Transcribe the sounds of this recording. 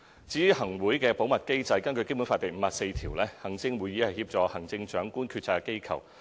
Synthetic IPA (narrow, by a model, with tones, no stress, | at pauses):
t͡siː˨˥y˨˥hɐ˨˩ŋwuː˨˥jkɛː˧po˨˥wmɐ˨t̚ke˥jt͡sɐ˧jkɐ˥nkɵ˧ke˥jpu˨˥nfaː˧t̪ːe˨jm̩˨˧mɐː˨k̚se˧jt̪ʰiː˨˩wlɛː˥hɐ˨˩ŋt͡sɪ˧ŋwuː˨˥jːiː˨˥hɐ˨jhi˧p̚t͡sɔː˨˧hɐ˨˩ŋt͡sɪ˧ŋt͡ʃœː˨˥ŋkuː˥nkʰyː˧t̚t͡sʰaː˧kke˥jkʰɐ̰˨˩w